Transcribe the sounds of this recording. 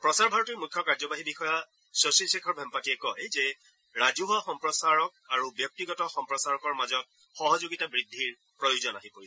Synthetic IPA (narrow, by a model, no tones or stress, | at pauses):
pɹɔsaɹbʱaɹɔtejmujkʰːjɔkaɹzɔbaɦibixɔja | sosilsikʰːɔɹbʱɛmpatiɛkɔzɛ | ɹazuɦɔxɔmpɹɔsaɹɔk̚aɹubjɔk̚tiɡɔtɔxɔmpɹɔsaɹɔkɔɹmazɔt̚ | xɔɦɔzoɡitabɹidʱːiɹ | pɹɔjuzɔnaɦipoɹisɛ